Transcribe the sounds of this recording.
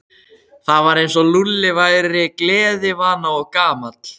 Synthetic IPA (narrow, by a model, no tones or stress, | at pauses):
θavaɾejnsɔlulːɪvajɾɪklɛːðɪvaːnaɔɣkaːmat̪l